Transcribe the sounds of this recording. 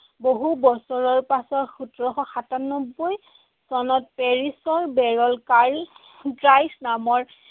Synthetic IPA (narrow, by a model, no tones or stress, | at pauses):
boɦubɔsɔɹɔɹpasɔtxutɹɔxɔxatanɔbːoj | sɔnɔt̚peɹisɔɹbɛɹɔlkaɹ | ɡɹajsnamɔɹ